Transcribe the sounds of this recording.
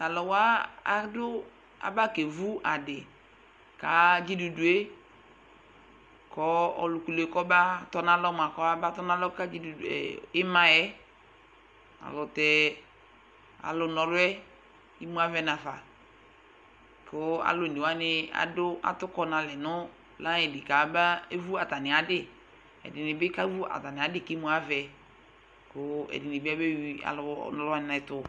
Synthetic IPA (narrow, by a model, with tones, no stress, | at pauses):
a˨lɔ˨wa˦a̰˦dʊ˦ | a̰˨ba˦ke˨vu˦a˨dɪ˨ | ka˨d͡ʒi˦du˨du˨e˦ | kɔ˦ɔ̰˨lʊ˨ku˨le˨kɔ˦ba˦tɔ˦na˦lɔ˦m˨a˨kɔ˦a˦ba˦tɔ˦na˦lɔ˦ka˦d͡ʒi˦du˨ɛ̰˨ɪ˦mã˦jɛ˦ | a̰˨lʊ˨tɛ˨ | a̰˨lʊ˨nɔ˨ɾʊ˦ɛ˦ | i˦mũ˦a˦vɛ˦nã˨fa˨ | kʊ˦a̰˨lʊ˨ni˨wa˦nɪ˦a̰˨dʊ˦a̰˨tʊ˦kɔ˦nã˨lɛ˨nʊ˦ | lã˦ɛ˨dɪ˨ka˨˦ba˦e˦vu˦a˨ta˨nɪ˨a˨dɪ˦ | ɛ̰˨dɪ˨nɪ˨bɪ˦ka˦vu˦a̰˨ta˨nɪ˨a˨˦dɪ˦˨ki˦mũ˦a˦vɛ˨ | kʊ˦ɛ̰˨dɪ˨nɪ˨bɪ˦a˦be˦wi˦a̰˨lʊ˨˦nɔ˨lʊ˦a˦nɪ̃˦na˨ɪ˨˦tʊ˨